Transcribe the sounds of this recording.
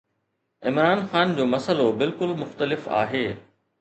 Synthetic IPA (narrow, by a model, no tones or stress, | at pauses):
ɪmɾaːnxaːnd͡ʑoːmɐsəlobɪlkʊlmʊxt̪əlɪfa̰ːɦeː